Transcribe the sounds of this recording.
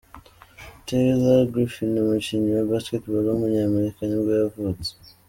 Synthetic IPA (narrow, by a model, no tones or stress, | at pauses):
teɾizaɡɾifinomuciɲiwabasketbolomuɲaːmeɾikaɲiɡojavut͡se̥